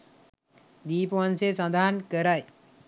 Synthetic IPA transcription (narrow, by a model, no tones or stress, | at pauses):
d̪ipɔnsesãnd̪ʱankəɾaj